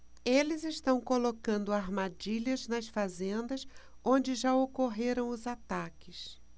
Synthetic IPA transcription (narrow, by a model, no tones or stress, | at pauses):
elɪzɪʃt̪ɐ̃w̃kolokɐ̃nd̪ʊaɾmad͡ʒiʎɐznɐsfazẽnd̪ɐs | õnd͡ʒɪʒaokoɦeɾɐ̃w̃ʊzat̪akɪs